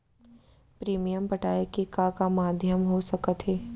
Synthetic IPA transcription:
pɾiːmijəmpɐʈaːekekakamaːd̪ʱjəmɦosɐkət̪ɦɛː

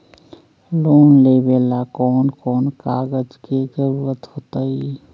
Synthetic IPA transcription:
loːnlebeːlakɔːnkɔːnkaːɡəd͡ʒked͡ʒəɾuʋət̪ɦoːt̪əi

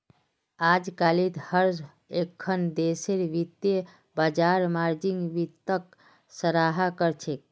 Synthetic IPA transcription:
aːd͡ʒkalit̪həɾ | ekʰːənd̪eseɾʋit̪je | bad͡ʒaɾmaɾd͡ʒiŋɡʋit̪ːək | səɾaɦakəɾt͡ʃʰek̚

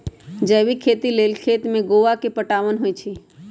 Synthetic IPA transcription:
d͡ʒəːʋikʰeːt̪ileːlkʰeːt̪mẽɡoːʋakepəʈaːʋənɦojt͡ʃʰi

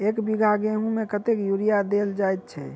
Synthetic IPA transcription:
ekbiɡʱaɡeɦũmekət̪ekjuɾijad̪eld͡ʒajt̪̚t͡ʃʰɛ̰

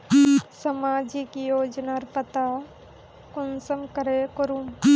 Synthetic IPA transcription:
sɐmaːd͡ʒikjoːd͡ʒnaɾpət̪a | kʊnsəmkɐɾekəɾum

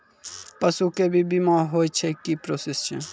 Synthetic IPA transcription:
pasukebibimaɦojt͡ɕʰekipɾosest͡ʃʰḛ

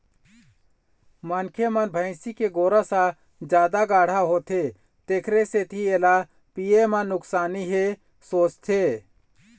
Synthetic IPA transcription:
mankʰemənbʱəɪsikeɡoːɾasa | d͡ʒjaːd̪aɡaːɽ̤aɦot̪ʰe | t̪ekʰɾeset̪ʰiela | piemanːʊksaːniɦe | soːt͡ʃt̪ʰe

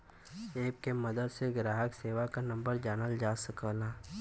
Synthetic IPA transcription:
eːpkemɐd̪əd̪seɡɾaːɦəkseːʋakanɐ̃mbəɾd͡ʒaːnəld͡ʒaːsəkəlaː

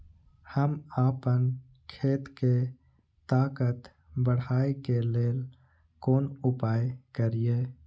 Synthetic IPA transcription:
həmaːpən | kʰeːt̪ke | t̪aːkət̪ | bəɽ̤aːekeleːl | koːnʊpaːekəɾijeː

